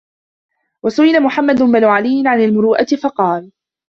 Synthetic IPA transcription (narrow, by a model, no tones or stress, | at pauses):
wasʊʔɪlamʊħamːad̪ʊbanuːʕalɪjːɪnʕanalmʊɾuːʔat̪ɪfɑqɑːl